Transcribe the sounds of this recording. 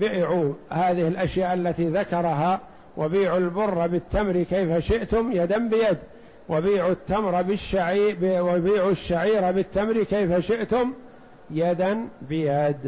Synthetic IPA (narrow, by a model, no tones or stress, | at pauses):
bɪʔʕuːhaːðɪhɪlʔaʃjaːʔalːat̪iːðakɑɾˤɑɦaː | wʔabiːʕulbʊrːɑbɪt̪ːamɾikejfaʃɪʔt̪ʊmjad̪anbɪjad̪ | wabiːʕut̪ːamɾˤɑbɪʃːabbiːʕuʃːaʕiːɾabɪt̪ːamɾikejfaʃɪʔt̪ʊm | jad̪anbɪjad̪